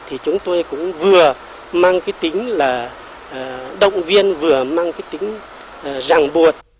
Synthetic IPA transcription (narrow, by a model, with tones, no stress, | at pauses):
t̪ʰi˨˩t͡ɕʊ˨˦ŋ͡mt̪o˧jkʊ̰˧˥ŋ͡mvɨ˨˩ə | maː˧ŋkaː˨˦jt̪ï˨˦ŋ̟laː˨˩˨ | ɗə̰˧˨wŋ͡mvi˧ənvɨ˨˩əmaː˧ŋkaː˨˦jt̪ï˨˦ŋ̟ː˨˩ | za˨˩ŋɓu˨˩ət̚